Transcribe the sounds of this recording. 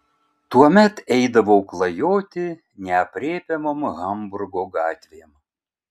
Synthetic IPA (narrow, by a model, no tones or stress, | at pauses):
t̪uɔmʲɛt̪ɛɪd̪ɐʋoʊklˠɐjoːt̪ʲɪ | nʲɛɐpʲɾʲeːpʲɛmoːmɣɐmbʊɾɡoːɡɑːt̪ʲʋʲem